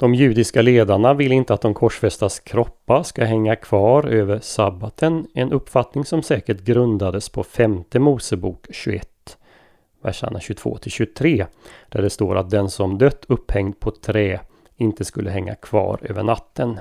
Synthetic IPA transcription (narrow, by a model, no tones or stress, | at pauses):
d̪̥ɔmjʉ̟ːd̪ɪskaleːd̪aɳavɪlːɪnt̪əat̪̚d̪ɔmkʰɔʂfɛst̪askʰɾɔpːaskaɦɛŋːakʰv̥ɑːɾøːvəɾʂabat̪ʰənɛnʔɵpːfat̪nɪŋsɔmsɛːkəʈɡɾɵnd̪ad̪əspʰɔfɛmt̪əmuːsəbuːkɕɵɛt̪ː | væ̰ʂa̰naɕɵt̪ʰv̥o̰ːt̪ʰɪlɕɵt̪ʰɾeːd̪̥æɖɛst̪oːɾʔa̰t̪̚d̪ɛnsɔmd̪øt̪ʰːɵphɛŋd̪̚pʰɔt̪ʰɾɛː | ɪnt̪əskɵlːəɦɛŋːa̰kʰv̥ɑ̰ːɾø̰ːvəɳat̪ʰːən